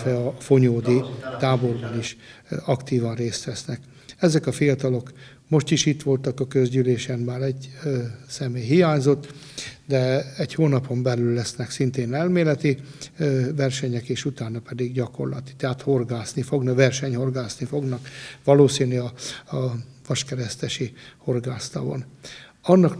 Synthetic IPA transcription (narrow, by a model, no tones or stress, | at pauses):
fɛɒfo̞ɲoːd̪it̪aːbo̞rbɒniʃɒkt̪iːvɒnreːst̪ʋɛsnɛk | ɛzɛkɒfijɒt̪ɒlo̞k | mo̞ʃt̪iʃit̪ʋo̞lt̪ɒkɒkøzɟyleːʃɛmmaːɾɛɟ | sɛmeːjɦijaːɲzo̞t̪ː | d̪ɛɛɟhoːnɒpo̞mbɛlylːɛsnɛksint̪eːnɛlmeːlɛt̪i | vɛrʃɛɲɛkeːʃut̪aːnɒpɛd̪iɡɟɒko̞̰rlɒ̰t̪i̥t̪ɛɦat̪ho̞rɡaːsnifo̞ɡnɒkʋɛrʃɛɲho̞rɡaːsnifo̞ɡnɒkʋɒloːsiːniɒ | vɒʃkɛɾɛst̪ɛʃiho̞rɡaːst̪ɒ̰vo̰nɒnːɒk